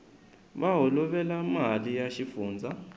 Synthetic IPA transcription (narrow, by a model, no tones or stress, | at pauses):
βaɦɔlɔβɛlamalijaʃifuːnd͡zʱa